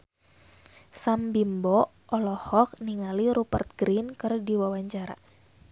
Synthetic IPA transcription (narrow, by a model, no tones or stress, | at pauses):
sambimbɔ | ʔɔlɔhɔk̚niŋaliɾupərt̪̚ɡ̥ɾinkɨrdiwawaɲt͡ʃaɾa̰